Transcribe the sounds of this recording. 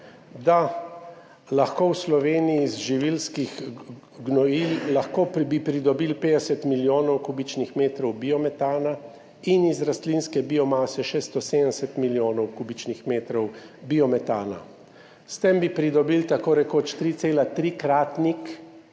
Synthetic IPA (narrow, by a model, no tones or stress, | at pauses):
d̪a | laxkowslɔʋeːnijizʒiʋilskix | ɡnɔillaxkoːpbipɾid̪ɔbilpeːd̪ɛsɛt̪miljoːnɔwkuːbit͡ʃnixmeːt̪ɾɔwbiɔmɛt̪aːna | inizɾast̪linskɛbiɔmaːsɛʃest̪ɔsed̪ənɛsɛt̪miljoːnɔwkubit͡ʃnixmeːt̪ɾɔwbiɔmɛt̪aːna̰ | st̪embipɾid̪ɔbilt̪akoːɾɛkot͡ʃt̪ɾit̪seːlat̪ɾiːkɾaːt̪nik